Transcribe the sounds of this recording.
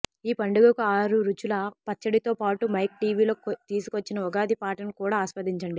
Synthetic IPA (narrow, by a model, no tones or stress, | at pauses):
iːpɐɳɖuɡɐkuaːɾuɾut͡ʃulɐpɐt͡ʃːɐɽit̪o̞ːpaːʈumɐjk̚ʈiːʋiːloːkt̪iːsu̥kot͡ʃːinɐɔɡaːd̪ipaːʈɐnkuːɽaːɐʃpɐd̪iɲt͡ʃɐɳɖi